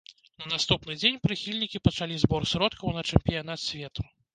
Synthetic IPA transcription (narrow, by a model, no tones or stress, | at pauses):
nɐnast̪upn̪ɨd͡zʲenʲpɾɨxʲilʲnʲikʲipɐt͡ʂalʲizbɔrsɾɔt̪kʰɐwnɐt͡ʂɛmpʲijanat̪sʲvʲɛt̪u̥